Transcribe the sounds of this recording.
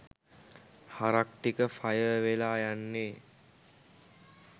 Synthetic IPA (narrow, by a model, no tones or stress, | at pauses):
haɾak̚ʈikəfajəʋelaːjanːeː